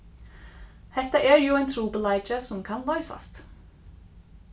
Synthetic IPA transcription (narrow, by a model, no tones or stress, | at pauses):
hɛt̪ːaʔɛɹjʊajnt̪ʰɾuːpəlajt͡ʃəsʊmkʰanlɔʏsa̰st̪